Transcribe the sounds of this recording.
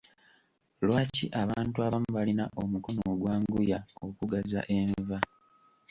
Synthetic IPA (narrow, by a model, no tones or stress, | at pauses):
lwaːciʔaβaːntuaβamuβalinaʔo̞muko̞noɡwaːŋɡujao̞kuɡaza̰ʔe̞ɱva